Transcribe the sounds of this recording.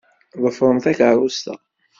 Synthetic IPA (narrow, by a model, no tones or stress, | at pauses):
ðˤəfɾˤəmθækʕɾˤust̪æ̰